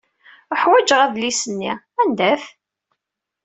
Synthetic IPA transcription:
əħwæd͡ʒʁæðlisənːi | ænd̪æθ

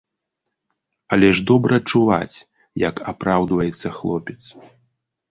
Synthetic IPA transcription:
ɐlʲɛʐd̪ɔbɾɐt͡ʂuva̰t͡sʲ | jɐkʰapɾawd̪vɐjɛt̪sːɐxlˠɔpʲɛt̪s

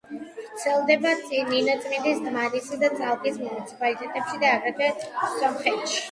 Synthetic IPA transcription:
vɾtt̪sʰɛlˠd̪ɛbat̪sʼinːinɔt̪sʼmind̪isd̪mad̪isad̪at̪sʼalˠkʼismunit̪sʰi̥pʼalit̪ʼɛt̪ʼɛpʃid̪aːɡɾɛvɛsɔmχɛt̪ʃi̥

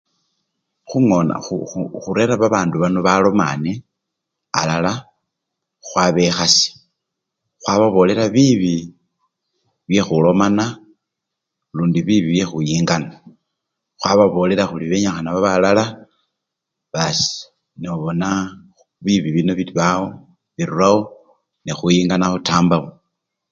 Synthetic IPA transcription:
xuŋona̰uxuɾe̞ɾaβaβaːnduβanoβalo̞ma̰ne | a̰lala | xwaβe̞xasi̥ | xwaβaβo̞le̞ɾaβiβi | βje̞xulo̞mana | luːndiβiβiβje̞xujiːŋɡana | xwaβaβo̞le̞ɾaxuliβe̞ɲaxanaβaβalala | βasi̥ | neuβo̞na | βiβiβino̞βitβao̞ | βiɾuɾawo̞ | nexujiːŋɡanaxutaːmbaβo

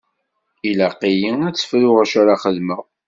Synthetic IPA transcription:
ilæqːijiæt͡sːə̥fɾʊʁaʃaɾaχəðməʁ

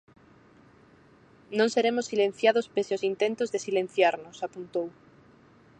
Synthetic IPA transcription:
nõŋseɾemosːilẽn̟θjaðospeseosint̪ẽnt̪ozðesilẽn̟θjaɾnosapunt̪ow

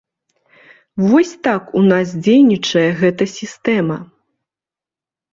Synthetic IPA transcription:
vɔsʲt̪akunas̬d͡zʲejnʲit͡ʂɐjɛɣɛt̪ɐsʲist̪ɛmɐ

